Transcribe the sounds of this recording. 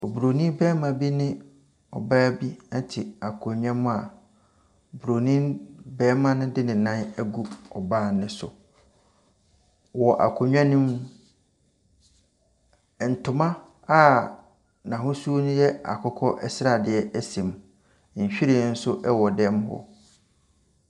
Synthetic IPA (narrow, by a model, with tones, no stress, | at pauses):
o˨bu˨ɾo˨nĩ˦bɛː˦mã˨bi˦nɪ̃˦ | ɔ̰˨baː˦bi˦a˦tʰɪ˨a˨kʰʊ˨ɲᶣã˦mʊ̃˦a˨ | bu˨ɾo˨nĩ˦bɛː˦mã˦nʊ̃˦dɪ˦nɪ̃˨nã˦næ˦ɡu˦ɔ˨baː˦˨nɪ̃˦sʊ̰˨ | wɔ˨ʔa̰˨kʰʊ˨ɲᶣã˦nũ˦m˨ | n̩˨tʰʊ˨mã˦ | a˦ | nã˨ɦʊ̃˦su˦o˦nʊ̃˦jɛ˦a̰˨kʰɔ˦kʰɔ˦ʔɛ˦sɪ˦ɾa˨dɪ˨ɛ˦æ˦sẽ˨m̩˨ | ɕᶣi˦ɾĩ˨˦n̩˦sʊ˦ʔɛ˦wɔ˨dɛ˦m˦hɔ̰˦